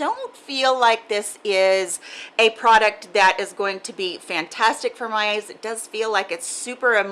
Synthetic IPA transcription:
d̥õʊ̃ntfilˠlaɪk̚ðɪsɪzɨpʰɹ̥ɑɾɨk̚t̚ðɨɾɨzɡoʊɪ̃ŋtʰɨbifæ̃ntʰæstɨkfə˞maɪeɪzɨt̚d̥ʌz̥filaɪkɨtsʉpə˞ɨm

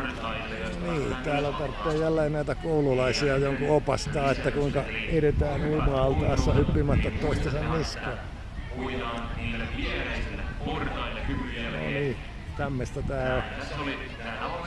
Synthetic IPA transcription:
niːt̪æːlːæt̪ɑrt̪ːeːjjælːeːnnæit̪ækoululɑisiɑjoŋkuopɑst̪ɑːet̪ːækuiŋkɑeret̪æːnuːmɑːlt̪ɑːsːɑhypːimæt̪ːɑt̪t̪oist̪ɑsɑnniskɑ | no̰niː | kɑmːest̪ɑt̪æːlo

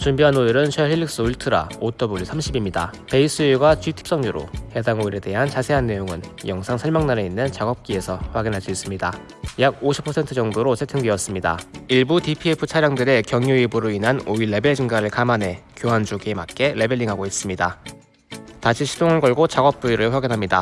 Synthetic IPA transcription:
t͡ɕumbiɦanoiɾɯnt͡ɕʰʌhʰiɭːik̚s͈ɯuɭtʰɯɾa̰ot͈ʌbuɭːisʰamɕʰibimɲida̰pe̞is͈ʰɯiɡwat͡ɕɥitʰi̥p̚s͈ʌŋɲuɾo̰he̞daŋoiɾe̞de̞ɦant͡ɕasʰe̞ɦanːe̞joŋɯnjʌŋsʰaŋsʰʌɭmaŋnaɾe̞inːɯnt͡ɕaɡʌp̚k͈ie̞sʰʌɸwaɡinɦaɭs͈uis͈ɯmɲida | jaɡ̚oɕʰi̥pʰʌsʰe̞ntʰɯd͡ʑʌŋdoɾosʰetʰɯŋdiʌs͈ɯmɲida̰iɭbutipʰiepʰɯt͡ɕʰaɾjaŋdɯɾe̞kjʌŋjuibuɾoinɦanoiɭːe̞be̞ɭd͡ʑɯŋɡaɾɯɭkamane̞kjoɦand͡ʑoɡemak͈e̞ɾe̞be̞ɭːiŋɦaɡois͈ɯmɲida | taɕʰiɕʰi̥doŋɯɭɡʌɭɡot͡ɕaɡʌp̚p͈uiɾɯɭɸwaɡinɦamɲida̰

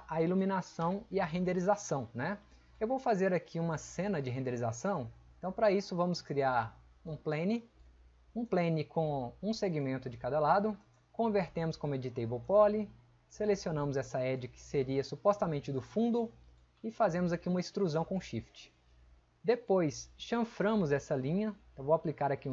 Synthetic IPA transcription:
ɐilumĩnasɐ̃w̃ɪɐɦẽnd̪eɾizasɐ̃w̃nɛ | ewvowfazeɾakʰiũmɐsẽnɐd͡ʒɪɦẽnd̪eɾizasɐ̃w̃ẽt̪ɐ̃w̃pɾɐisʊvɐ̃mʊskɾiaɾ | ũplẽnɪ | ũplẽnɪkõũseɡimẽnt̪ʊd͡ʒɪkad̪ɐlad̪ʊ | kõveɾt̪ẽmʊskõmʊed͡ʒit̪ejbowpɔlɪ | selesionɐ̃mʊzɛsɐɛd͡ʒɪkɪ̥seɾiɐsupɔst̪amẽnt͡ʃɪd̪ʊfũnd̪ʊ | ɪfazẽmʊzakiũmɐist̪ɾuzɐ̃w̃kõʃift͡ʃɪ̥ | d̪epojsʃɐ̃fɾɐ̃mʊzɛsɐlĩɲɐwvowaplikaɾakĩ

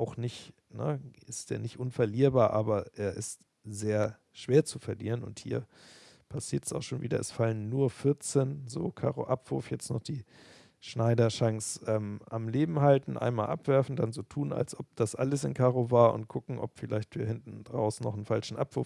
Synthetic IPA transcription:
ʔaʊxnɪçt | nəʔɪstd̥eːɐnɪçtʔʊnfɛɐliːɐbaːɐʔaːbɐʔeːɐʔɪst | zeːɐ | ʃv̥eːɐt͡sufɛɐlḭːʁ̞ənʊ̰nthḭːɐ | pʰasiːɐtɛsa̰ʊxʃoːnviːdɐɛsfalənːuːɐfɪɐt͡seːnzo̰ːkʰa̰ːʁo̰ʔapv̥ʊɐfjɛt͡stnɔχd̥iː | ʃnaɪdɐʃaŋsʔɛːmʔamleːbm̩haltn̩ʔa̰ɪnmaːlʔa̰pv̥ɛɐfn̩danzoːtʰuːna̰lsʔɔp̚d̥asʔa̰ləsɪ̰nkʰaːʁovaːɐʔʊ̰ntkʰʊkŋ̩ʔɔ̰pfɪlaɪçtv̥iːɐhɪntn̩dʁa̰ʊsn̩ːɔχn̩falʃn̩ʔapv̥ʊɐf

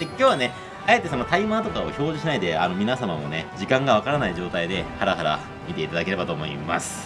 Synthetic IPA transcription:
d̪ekʲo̞ːβane̞ | aje̞t̪e̞so̞no̞t̪aimat̪o̞kao̰ço̞ːʑiɕinaid̪e̞ano̞mʲinasamamo̞̰ne̞d͡ʑikãŋɡaβ̞akaɾanaiʑo̞ːt̪aid̪e̞haɾaɦaɾa̰ | mʲit̪e̞it̪ad̪akeɾe̞bat̪o̞ːmo̞ḭma̰sɨ̥

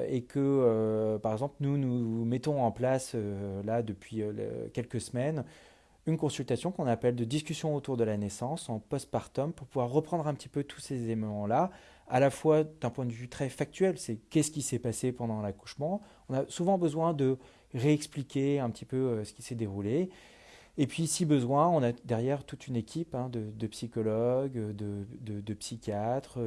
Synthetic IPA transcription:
ekʰəøpaʁɛɡzɑ̃plnunumɛt̪ɔ̃ɑ̃plasølad̪əpɥiøl̰kʲɛlkəsəmɛn | ynkɔ̃sylt̪asjɔ̃kɔ̃napɛld̪əd̪iskʲysjɔ̃ot̪uʁd̪əlanesɑ̃sɑ̃pɔst̪̚paʁt̪ɔmpuʁpuvwaʁːəpχɑ̃d̪ʁɛ̃pə̥t̪ipøt̪ʰu̥sezemmɑ̃la | alafwad̪̥ɛ̃pwɛ̃d̪əvyt̪χɛfak̚t̪ɥɛlsɛkʲɛsə̥kʲisɛpasepɑ̃d̪ɑ̃laku̥ʃmɑ̃ | ɔ̃nasuvɑ̃bəzwɛ̃d̪ə | ʁeɛksplikʲeɛ̃pət̪ipøøsə̥kʲisɛd̪eʁuleː | pɥisibəzwɛ̃ɔ̃nad̪ɛʁjɛʁt̪ut̪ynekʲʰipɛ̃d̪əd̪əpsikɔlɔɡød̪əd̪əd̪əpsikʲjat̪χø

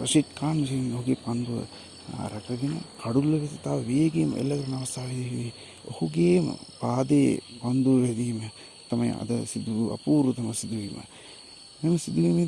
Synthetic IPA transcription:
ɾɐʃet͡ʃkaːnːɐs̬iioɦuɡeːpɐnd̪uʋɐ̰ | ɾɐkɐɡinɐkɐɽulːɐʋet̪it̪aːʋɐʋijɡeːm̰ʔḛlːɐkɐɾɐnɐʋɐst̪ʰaːʋiiʋi | o̰huɡeːmɐ̰paːd̪eːpɐnd̪uʋɐʋed̪iːmɐ | t̪ɐmɐjɐ̰ɐ̰d̪ɐ̰sid̪uuɐ̰puːɾut̪ɐmɐsid̪uʋiːmɐ̰ | memɐsid̪uʋiːmi

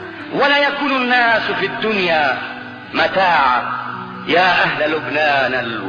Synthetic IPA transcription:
walaːjakuːnʊnːaːsfiːad̪ːʊnjaː | mat̪aːʕa | jaːʔaɦlalʊbnaːnal

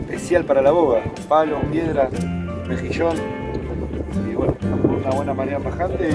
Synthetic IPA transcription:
pesjalpaɾalaβoɣapalomjeðɾa | mexiʃon | iwenoaunaβwenamaneɾamaxant̪e

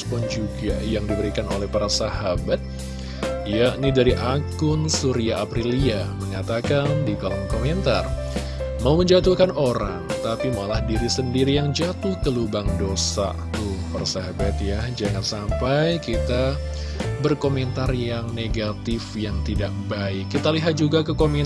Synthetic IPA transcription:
pɔnd͡ʒuɡajaŋdibəɾikanolɛhpaɾasahabat̪̚ | jaʔnidaɾiʔaɡʊnsuɾiaʔapɾiliaməŋat̪akandikalɔmkoment̪a̰r | mauməɲd͡ʒat̪uhkanoɾa̰ŋt̪apimalahdiɾisəndiɾijaŋd͡ʒat̪ʊhkəlubaŋdosa̰ | t̪upaɾasaɦabat̪̚jad͡ʒaŋansampajkit̪a | bərkoment̪arjaŋneɡat̪ɪfjaŋt̪idaʔ̚baɪkːit̪aliɦat̪̚d͡ʒuɡakəkome

